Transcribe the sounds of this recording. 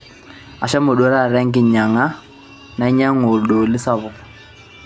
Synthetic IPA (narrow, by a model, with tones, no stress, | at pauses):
a˨ʃa˦mʊ˨ɗɔ˦ɾa˦˨ɾɛ˦ŋɡɪ˨ɲa˨ŋa˦ | na˨˦ɲa˦ŋo˨lɗo˨lɪ˦sa˦βɔ˨